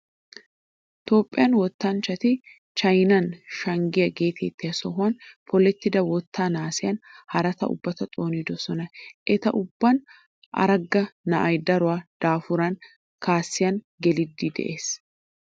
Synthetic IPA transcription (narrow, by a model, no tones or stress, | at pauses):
t̪o̞ːpʼːɪjɐnwɔt̪ːaːnt͡ʃɐt̪ɪ | t͡ʃɐjnɐnʃɐŋɡɪjɐɡeːt̪ɛt̪ːɪɐsɔɦʊɐnpʰɔlɛt̪ːɪd̪ɐwɔt̪ʰːaːnaːsɪjɐnhɐɾɐt̪ɐʔʊ̰bːɐt̪ɐt̪ʼo̞ːniːd̪ɔsɔnɐʔɛt̪ɐ̰ʔʊbːɐn | ʔɐ̰ɾɐɡːɐnɐʔɐjd̪ɐɾʊaːd̪̥aːfʊɾɐn | kaːsːɪjɐn | ɡɛlɪd̪ːiːd̪ɛ̰ʔeːs